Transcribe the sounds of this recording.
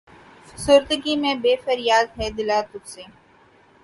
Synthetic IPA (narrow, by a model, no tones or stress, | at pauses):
sʊɾt̪əɡimẽbeːfɐɾjaːd̪ɦɛd̪ɪlaːt̪ʊt̪seː